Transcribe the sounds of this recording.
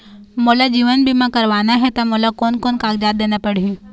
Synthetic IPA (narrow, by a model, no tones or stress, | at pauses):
moːlad͡ʒiːʋənbʱimãkɐɾʋaːnaɦɛt̪amolakoːnkoːnkaːɡd͡ʒaːd̪d̪eːnapɐɽ̤iũ